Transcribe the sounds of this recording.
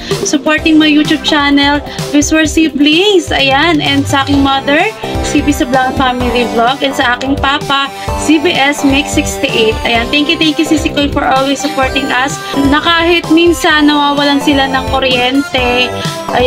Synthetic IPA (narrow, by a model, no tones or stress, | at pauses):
sʊpoɹt̪ɪŋmɐɐjut͡ʃub̚t͡ʃanɛlvɪswɛɹsibliŋsʔɐ̰janɛnd̪sɐʔaːkɪŋmɐd̪ɛɹsibisɐblaŋfamilibloɡɛnd̪sɐʔaːkɪŋpaːpɐ | sibiʔɛsmɪksɪkst̪iʔejt̪ʔɐjant̪ɛŋkjʊt̪ɛŋkjusisikojfɔɹʔolwɛsːʊpoɹt̪ɪŋʔɐs | nɐkaːhɪt̪̚minsɐnːɐwaːwɐlansɪlanɐŋkoɾjɛnt̪ɛ | ʔɐ